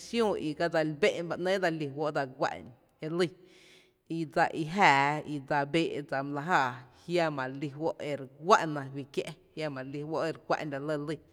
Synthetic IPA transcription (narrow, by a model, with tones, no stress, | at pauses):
sjõ˦˨i˨ka˧d͡za˧lbe˦ʔnba˧ʔnẽː˦d͡za˧li˧˨ɦwo˦ʔd͡za˧ɡʷa̰˧ʔn | e˧li˧˨ | i˧d͡za˧ʔi˧ɦaː˨i˧d͡za˧beː˧˨ʔd͡za˧m˧la˧ɦaː˧˨hja˦˧mã˨li˧ɦwo˦ʔe˧ɾɡʷa̰˦ʔnã˧wi˧kje˦˧˦hja˧mã˨li˧hwo˦ʔe˧ɾɡʷa̰˧ʔnda˧˨lə˧lə˧˨